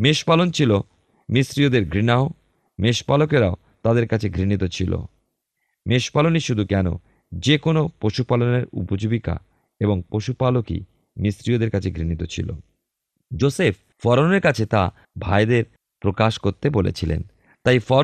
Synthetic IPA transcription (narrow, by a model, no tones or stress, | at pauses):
meʃpalont͡ɕʰilo | misɾiod̪eɾɡʱɾinao | meʃpalokeɾao | t̪ad̪eɾkat͡ɕʰeɡʱɾinit̪ot͡ɕʰilo̰ | meʃpaloniʃud̪ʱukɛno̰ | d͡ʑekonopɾoʃupaloneɾṵpod͡ʑobika̰ | eboŋpɾoʃupalokḭ | misɾiod̪eɾkat͡ɕʰeɡɾinit̪ot͡ɕʰḭlo̰ | d͡ʑosef | fɔɾoneɾkat͡ɕʰet̪a | bʱaed̪eɾ | pɾokaʃkoɾt̪ebolḛt͡ɕʰilḛn | t̪ajfɔɾ